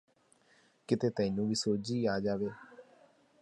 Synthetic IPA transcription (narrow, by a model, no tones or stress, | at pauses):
kɪt̪eːt̪ə̃ɪ̃nũːʋiːsoːd͡ʒiːaːd͡ʒaːʋeː